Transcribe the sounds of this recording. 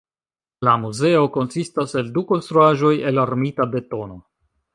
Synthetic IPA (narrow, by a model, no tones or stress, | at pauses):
lamuze̞o̞ko̞nsistase̞lduko̞nst̪ɾuaʒo̞je̞laɾmitade̞to̞no̞